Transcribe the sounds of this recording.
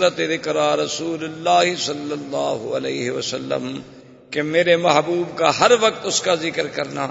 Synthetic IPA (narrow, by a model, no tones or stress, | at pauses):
ɾət̪eðɪkɾaɾɐsuːlʊlːaːɦsɐlːɐlːaːɦʊ̰ɐ̰lɛːɦeʋɐsɐlːə̰m | kemeːɾemɐɦbuːbkaɦɐɾʋɐk̚t̪ʊskazɪkəɾkɐɾna̰ː